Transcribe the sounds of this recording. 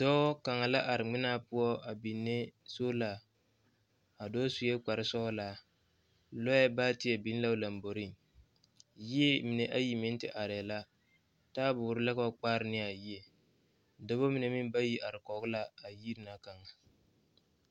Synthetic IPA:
dɔː˦ka˨ŋa˨la˦ʔa˨ɾɪ˨ŋ͡mɪ˦na˦pʊ˦ɔ˦a˨bi˨nːe˦so˦la˨ | a˨dɔː˦su˨jɛ˦k͡pa˨ɾɪ˦sɔ˦la˨ | lɔ˦jɛ˦baː˦tɪ˦ɛ˨bi˨˦n˦la˦la˨mbo˨ɾi˦˨ŋ | ji˦e˦mɪ˨ne˨ʔa˦ji˨mɪ˦n˦tɪ̰˨ʔa˨ɾɛ˨la˦ | taː˦bʊ˨ɾɪ˦lɛ˦kɔ˦k͡paː˦ɾɪ˦nɪ˦a˨ji˦e˨ | da˦bo˦mɪ˨ne˨mɪ˦m˦ba˦ji˦ʔa˨ɾɪ˨kɔ˨˦ɡʊ˦la˦a˨ji˦ɾɪ˨na˨ka˨ŋa˨

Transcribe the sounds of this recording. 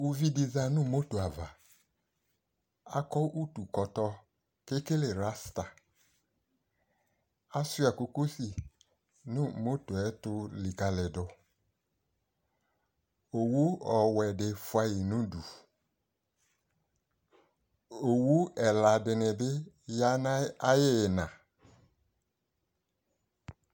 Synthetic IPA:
u˧vi˦di˧za˧nũ˦˨mo˦to˨a˨va˨ | a̰˦kɔ˦ʔu˦tu˨kɔ˨tɔ˧ | ke˦ke˦le˨ɾa˦sta˨ | a˦sʊ˦a˨ko˧ko˦si˨ | nũ˦˨mo˦to˨ɛ˨˦tʊ˧li˨ka˧lɛ˨dʊ˧ | o˨wu˦ɔ˨wɛ˨dɪ˨fwa˧ji˨nũ˦du˨ | o˨wu˦ɛ˨la˨dɪ˧nɪ˨bɪ˦ | ja˦na˦a˦jɪ˦˨nã˨

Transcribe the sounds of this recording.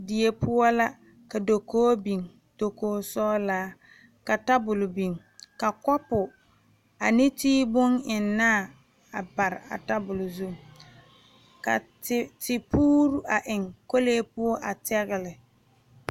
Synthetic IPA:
di˨e˨pʰʊ˦ɔ˦la˦ | ka˨do˨koː˦bi˨ŋ | d̥o˨koː˦sɔː˦laː˦ | ka˨ta˦bʊ˨lʊ˨bi˨ŋ | ka˨kɔ˦pʊ˨ | a˨nɪ˦tiː˦bʊ˦ŋɪ˨nːaː˦˨ | a˨ba˨ɾɪ˨a̰˨ta˦bʊ˨lʊ˨zu˦m | ka̰˨ttɪ˨puː˦ɾu˦ʔa˨ʔɪ˨ŋko˦leː˦pʊ˦ɔ˦ʔa˨tɛ˦ɣɪ˨lɪ˨

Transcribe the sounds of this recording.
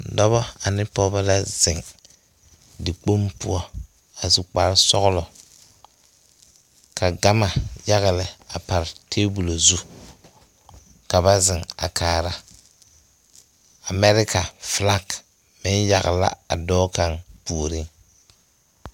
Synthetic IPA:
dɔ˦βɔ˦a˨nɪ˦pɔ˦ba˦la˦z̥ɪ˨ŋ | dɪ˨k͡po˦mpʊ̰˦ɔ˦ | a˨su˨k͡pa˨ɾsɔ̰˦ɣʊ˦lɔ˨ | kʰa˨ɡa˦ma˨ja˦ɣa˨lɪ˨a˨pa˨ɾɪ˨tʰeː˦bu˨lo˨zu˦ | ka˨ba˦zɪ˨ŋa̰˨kʰaː˨ɾa˦ | a˨mɛ˦ɾɪ˦ka˨fla˦k | mɪ˦nja̰˨ɣa̰˨la̰˦a̰˨dɔː˦ka˨ŋpuː˨ɾɪ˦ŋ

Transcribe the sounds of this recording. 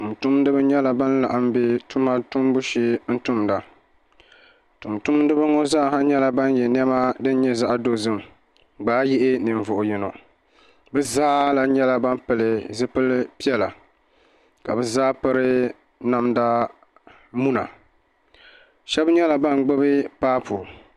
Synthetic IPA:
tu˨mtu˦m˦dɨ˦bɨ˦ɲɛ˦la˨ba˦n˦la̰˨ʔa˦m˦be˦tu˦ma˦tu˦m˦bu˦ʃi˦n̩˦tu˦mda˨ | tu˨mtu˦mdɨ˦bɨ˦ŋɔ˦za˦˨ha˦ɲɛ˦la˨ba˦n˦jɛ˨n˦ɛ˦ma˦dɨ˦n˦ɲɛ˦za˦ʔdo˦zɨ˦m˨ | ɡ͡baː˦jɪ˦ʔɪ˦nɨ˨ɱ˨vʊ˨ʔʊ˨jɛ˨no˨ | bɨ˦zaː˦la˨ɲɛ˦la˦ba˦m˦pɨ˨lɪ˨zɨ˦pɨ˦lpi˦ɛ˦la˨ | ka̰˨bɛ˦zaː˦pɨ˦ɾɨ˦ | na˦mda˦ | mu˦na̰˨ | ʃɛ˦bɲɛ˦la˨ba˦ŋ˨ɡ͡bɨ˦bɨ˦paː˦pʰu˨

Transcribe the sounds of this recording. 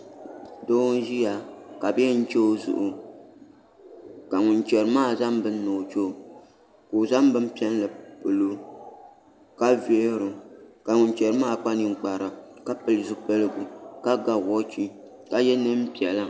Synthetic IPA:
doː˦n˦ʒi˦ja˨ka˨bɛ˦n̩˦t͡ʃɛ˦o˦zʊ̰˨ʔʊ˨ | ka˨ŋʊ˨nt͡ʃɛ˨ɾɨ˨˦maː˦˨za˦mbɨ˦nː˦o˨t͡ʃo˦˨ | ko˨za˦m˦bɨ˦m˦pi˦ɛ˦n˦lɨ˨pɨ˨lo˦ | ka˦vɛ˦ɾʊ˨ka˨ŋʊ˨n˦t͡ʃɛ˨ɾɨ˦maː˦˨k͡pa˦nɪ˨ŋ͡m̩˨k͡pa˨ɾa˨ka˦pɨ˨lɨ˨zu˦pɨ˦lɨ˦ɡu˨ka˦ɡa˨ɣɔ˦t͡ʃi˦ | ka˦jɛ˦nɨ˦m˦pi˨ɛ˨la˦

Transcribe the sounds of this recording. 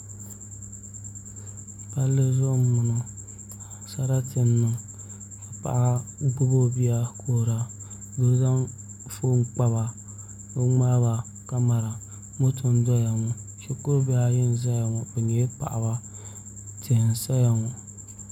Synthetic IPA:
pa˦lːɨ˦zo˦m˦mɨ˨no˨ | sa˦ɾa˦tɪ˨nːɨ˨ | ka˨pa̰˨ʔa˦ɡ͡bʊ˦bo˦bi˦a˦kʰo˦ɾa˨ | bo˨˦da˦n | foː˦ŋ˦k͡pa˦βa˨ | bɛ˦ŋ͡ma˦ba˨ | ka˦ma˨ɾa˨ | mo˦tʰo˦ndɔ˦ja˨ŋɔ˨t͡ʃɛ˦kʊ˦ɾbi˦a˦jɪ˦n˨za˦ja˨ŋɔ˨bɛ˨ɲɛ˨˦pa̰˨ʔa˨ba˦ | tɪ˨n˨sa˦ja˨ŋɔ˨

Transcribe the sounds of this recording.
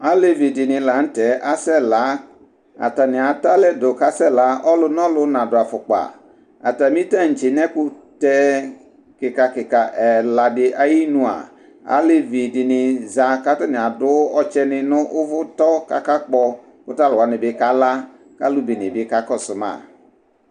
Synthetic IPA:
a˦le˨vi˨dɪ˨nɪ˨la˨n̩˦tɛ˨˦ʔa˦sɛ˦la˦ | a̰˨ta˨nɪ˨a˨ta˦lɛ˦do˨ka˦sɛ˦˨la˨˦ɔ˦lʊ˦n˦ɔ˦lʊ˦nã˨dʊ˨a˨fʊ˨k͡pa̰˨ | a̰˨ta˨mi˦ta˦˨n̩˨t͡ʃɪ˨nɛ˦kʊ˦tɛ˦ | kɪ˨ka˨kɪ˨ka˨ʔɛ˨la˨dɪ˨ʔa˦ji˦nũ˨a̰˨ | a̰˦lɪ˦vi˨dɪ˨nɪ˨za˨ka˦ta˦nɪ̃˨a˨dʊ˨˦ɔ˨t͡ʃɛ˦nɪ˦nʊ̃˦ʔʊ˦vʊ˦tɔ˦ka̰˨ka˦k͡pɔ˦ | kʊ˦ta˦lʊ˨wa˨nɪ˨bɪ˦ka˦la˦ | ka˦lu˦bi˨nɪ˨bɪ˦ka˦kɔ˦sʊ˨ma̰˨

